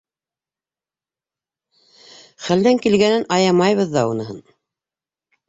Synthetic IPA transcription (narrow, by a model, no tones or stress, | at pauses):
χæld̪æŋkilɡænɘnʔɑjɑmɑjβɤðːɑunɤ̆ɦɤ̰n